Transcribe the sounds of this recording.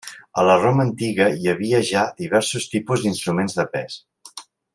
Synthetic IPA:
ələromənt̪iɣəjəβ̞iəʒad̪iβ̞ɛɾsust̪ipuzd̪inst̪ɾumenzðəpɛs

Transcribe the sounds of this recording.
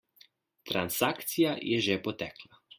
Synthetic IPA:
t̪ɾansaːkt̪sijajɛʒɛpɔt̪ɛːkla

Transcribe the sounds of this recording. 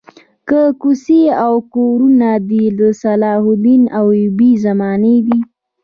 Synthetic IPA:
kəkuseawkoɾunad̪iləsalɑhʊd̪inawjʊbizamɑned̪i

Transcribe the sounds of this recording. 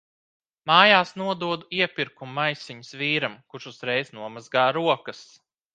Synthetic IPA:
maːjaːsnuɔd̪uɔd̪uiɛpiɾkumːajsiɲəsviːɾamkuɾʃuz̥ɾɛjznuɔmazɡaːɾuɔkɐs

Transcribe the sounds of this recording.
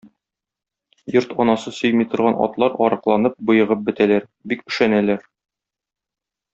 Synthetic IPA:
joɾt̪ɒnɑsɤsɵ̆jmijt̪ŏɾʁɑnɒ̰t̪lˠɑɾɒɾɤ̆qlˠɑnɤp̚bɤ̆jɤ̆ʁɤp̚bɘ̆t̪ælæɾ | bikɵ̆ʃænælæɾ

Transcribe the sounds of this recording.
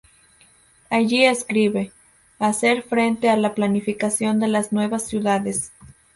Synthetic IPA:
aʝieskɾiβe̞ | ase̞ɾfɾe̞nt̪e̞alaplanifikasjo̞nd̪e̞laznwe̞βasːjuðaðes

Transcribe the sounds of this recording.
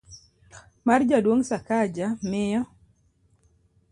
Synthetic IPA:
mard͡ʒadwoŋsakad͡ʒamɪjɔ

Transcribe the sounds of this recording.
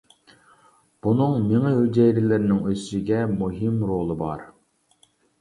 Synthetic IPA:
b̥unɨŋmeŋɛɦyd͡ʒɛjɾɪlɪɾnɪŋøzyʃiɡʲɛmuɦɪmɾolˠɨbɑɾ

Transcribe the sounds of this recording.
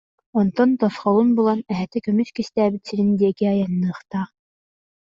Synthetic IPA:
ɔnt̪ɔnt̪ɔsχɔlˠunbulˠanɛɦɛt̪ɛkœmyskist̪æːbit̪siɾind̪iɛkiɑjanːɯːχt̪aː

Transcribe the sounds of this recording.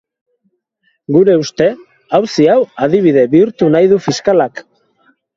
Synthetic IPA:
ɡuɾe̞ust̪e̞ | awsiawað̞iβ̞iðe̞βiuɾt̪unajð̞ufiskalak

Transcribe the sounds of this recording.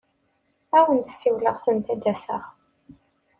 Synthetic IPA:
æwənt̪siwləʁθənt̪æd̪æsə̰ʁ

